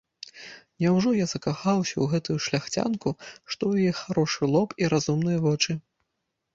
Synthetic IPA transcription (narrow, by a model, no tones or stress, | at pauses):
nʲɛwʐɔjaz̥ɐkaxawsʲɐwɣɛt̪ujuʂlʲaxt͡sʲa̰nkuʂt̪ɔwjjɛxaɾɔʂɨlˠɔpiɾazumnɨjɐvɔt͡ʂɨ